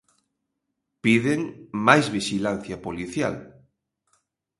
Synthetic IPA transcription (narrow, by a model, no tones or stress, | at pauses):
piðeŋmajzβiʃilan̟θjapoliθja̰l